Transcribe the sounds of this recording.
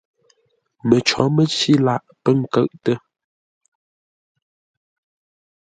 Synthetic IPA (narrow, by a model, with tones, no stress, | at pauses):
mə˨t͡ʃɔ̰˨˦mə˦t͡si˦la˦˨ʔpə˦ŋ̩˨kə˦˨ʔtə˦